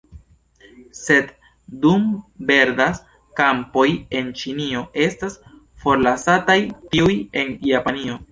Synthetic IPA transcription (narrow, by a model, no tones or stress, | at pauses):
se̞d | dumbe̞ɾdas | kampo̞je̞nt͡ʃinio̞ʔe̞stas | fo̞ɾlasatajtiuje̞njapanio̞